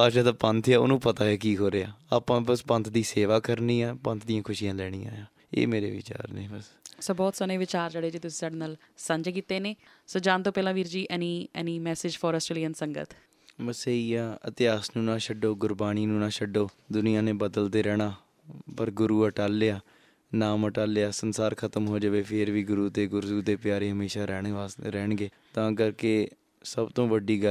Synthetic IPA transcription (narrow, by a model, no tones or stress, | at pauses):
aːʃaːd̪aːpə̃nt̪ʰaːo̰ːnũːpət̪aːeːkiːɦoːɾeaːaːpãːbəspə̃nt̪ʰd̪iːseːʋaːkəɾniːɛːpə̃nt̪ʰd̪ɪjãːkʰʊʃijãːlɛːɽ̃iːã̰ːjãː | ḛːmeːɾḛːʋɪ̰t͡ʃa̰ːɾnḛːbəssoːbɔːt̪səneːʋɪt͡ʃaːɾd͡ʒeːɽeːd͡ʒeːt̪ʊsĩ̥ːsaːɖeːnaːl | səɲd͡ʒkiːt̪eːneː | soːd͡ʒaːnt̪õːpɛːlãːʋiːɾd͡ʒiːʔɛːniːɛ̰ːniːmɛːsɪd͡ʒfʰɔːɾɔːsʈɾeːliːənsəŋɡə̰t̪ʰ | ʋəseːijaːə̰t̪ɪaːsnũːnãːʃəɖoːɡʊɾbaːɽ̃iːnũːnãːʃəɖoː | d̪ʊnijãːnẽːbəd̪əlt̪eːɾɛːɽ̃aː | pəɾɡʊɾuːəʈaːlːeaː | naːməʈaːlːejaːsənsaːɾkʰət̪əmɦoːd͡ʒəʋeːpʰɪɾʋiːɡʊɾuːt̪eːɡʊɾzuːd̪eːpɪjaːɾeːɦəmeːʃaːɾɛːɳaːɾɛːɳɡeː | t̪ãːk̬əɾkeː | səbt̪õːʋəɖiːɡə